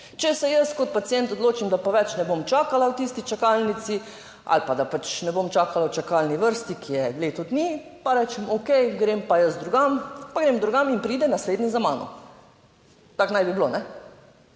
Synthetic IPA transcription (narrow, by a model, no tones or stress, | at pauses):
t͡ʃɛsɛjəskɔt̪̚pat̪sjɛnt̪ɔd̪loːt͡ʃimd̪apɔʋɛt͡ʃnɛbomt͡ʃaːkalawt̪ist̪it͡ʃakalnit̪si | a̰lpad̪apat͡ʃnɛbomt͡ʃaːkalawt͡ʃakalniʋəɾst̪ikijɛleːt̪ɔd̪ni | paɾɛːt͡ʃɛmokɛjɡɾempajəsd̪ɾuɡampaɡɾemd̪ɾuɡaminpɾiːd̪ɛnasled̪nizamaːnɔ̰ | t̪aknajbiblonɛ